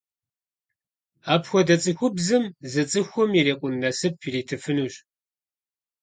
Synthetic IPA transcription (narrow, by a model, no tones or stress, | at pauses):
aːpxʷɔdɐt͡sʼɨxʷʊbzɨmzɨt͡sʼɨxʷɔmjireːqʷʼʊnnɐsɨpʰiriːtʰɨfɨnuːɕ